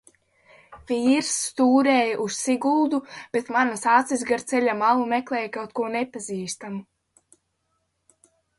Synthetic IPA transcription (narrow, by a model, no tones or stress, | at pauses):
viːɾsːt̪uːɾɛːjaʔussiɡulˠd̪ub̥et̪manasat̪sizɡaɾt̪sɛʎʲamalumɛklˠɛːjkawt̪̚kuɔnepaziːst̪amu